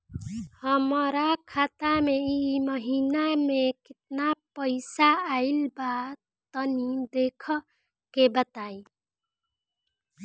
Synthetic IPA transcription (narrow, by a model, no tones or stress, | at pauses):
həmɾakʰat̪ameiməɦinamekɪt̪̚napəɪsaːilba | t̪ənid̪ekʰə | kebət̪ai